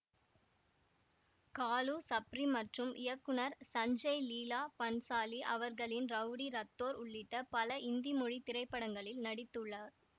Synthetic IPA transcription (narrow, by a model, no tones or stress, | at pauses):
kaːlusɐpɾimɐʈrɯmʔɪ̰jɐkːɯnɐɾsɐɲd͡ʒɐɪliːlaːpɐnsaːliʔɐ̰ʋɐɾɣɐɭɪnɾɐʋɽiɾɐt̪ːoːɾʊɭːɪʈːɐpɐlɐɪnd̪imʊɻit̪ɪɾɐɪpːɐɽɐŋɡɐɭɪlnɐɽɪt̪ːɯɭːɐ